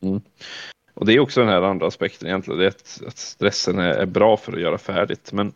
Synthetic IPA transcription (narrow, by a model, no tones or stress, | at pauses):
m̩ː | ʔɔd̪ɛæɾjʉɔksɔd̪ɛnhæːɾand̪ɾaːspɛk̚t̪ʰənɪjɛnt̪lɪɡənd̪ɛat̪a̰t̪st̪ɾɛsːənæ̰ɾæ̰ɾbɾɑːfœɾɔ̰jœːɾafæːɖɪt̪mɛn